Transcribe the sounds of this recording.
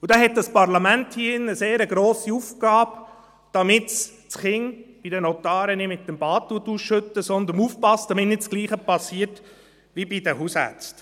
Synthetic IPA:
udɛɦɛt̚dɑspɑɾlɑmænthiːɪnəseːɾəɡɾoːsiufɡ̥ɑːb | d̥ɑmɪts | t͡sχɪŋb̥idɛnot̪ɑːɾənɪmɪt̪ːɛmb̥ɑːt̚tuətusʃʏt̪ːəsɔnd̪əɾnuːfpɑstd̥ɑmɪtnɪtskliːχəpɑsiːəɾt | ʋibid̥ɛɦuːsæ̰ɾt͡st

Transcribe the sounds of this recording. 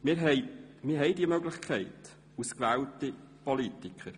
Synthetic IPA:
mɪɾɦɛɪmɪːɾɦɛɪdiəmœɡlɪχkʰɛɪt | uskvæːlti | pɔlitikχəɾ

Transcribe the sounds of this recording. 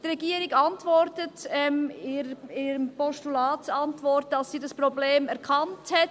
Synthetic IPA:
tɾɛɡiːəɾɪɡɑntʋɔɾtətɛmiɾiɾəmpɔʃtulɑːtɑntvɔɾt̚d̥ɑsːiːdɑspɾobleːmɛɾkʰɑnthɛt

